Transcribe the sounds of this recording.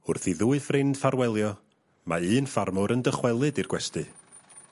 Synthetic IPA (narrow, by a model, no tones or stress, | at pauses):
ʊrθiðuːɨfrɪnd̥farwɛlˠjɔ | ma̰ɨːnfarmʊɾəndəχwɛlˠɨdirɡwɛstɨ